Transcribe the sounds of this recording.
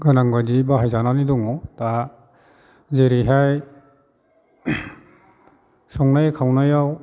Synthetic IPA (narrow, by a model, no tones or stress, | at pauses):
ɡɯnaŋɡadibaɦajzananidɔŋɔta | zeɾiɦaj | sɔŋnajkʰawnajaw